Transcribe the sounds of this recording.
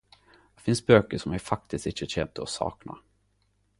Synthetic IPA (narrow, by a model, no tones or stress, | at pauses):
d̪ɛfɪnsbøːkəʂɔmæɾfak̚t̪ɪst̪ɪɕəɕɛnt̪əɔsɑ̰ːkna̰